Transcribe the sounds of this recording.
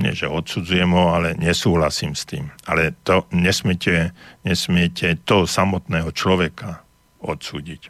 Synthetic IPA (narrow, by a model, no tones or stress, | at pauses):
ɲɛ̰ʒɛ̰ɔt̪sud͡zujɛmɦɔalɛɲɛsuːɦlasiːmst̪ḭːmalɛt̪ɔɲɛsmɪɛcɛɲɛsmɪɛcɛt̪ɔsamɔt̪nɛːɦɔt͡ʃlɔʋɛka | ɔt̪suːɟic